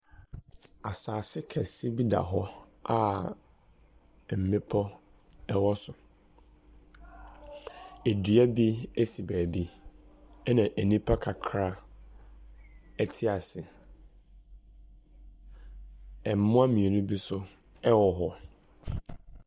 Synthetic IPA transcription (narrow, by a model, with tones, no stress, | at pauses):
a˨saː˨sɪ˦kʰɛ˨sɪ˦bi˦da̰˨ɦɔ˦ | a˨ | m̩˨mɪ̃˦pʰɔ˦ | ɛ˦wɔ˦sʊ˨ | e˨dɥæ˦bi˦e˦si˨bæː˨bi˦ | ɛ˦nã˨ʔæ˨nĩ˦pʰa˦kʰa˨kʰɾa˦ | ɛ˦tʰɪ˦a˨sɪ˨ | ɛ˨m̩˨mʊ̃˦a˦mĩ˨e˨nĩ˦bi˦sʊ˦ | ɛ˦wɔ˨ɦɔ˦